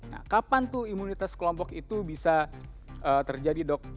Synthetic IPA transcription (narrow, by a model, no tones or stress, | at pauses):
na̰kapant̪uimunit̪askəlɔmpɔkit̪ubisa | ʔət̪ərd͡ʒadidɔk̚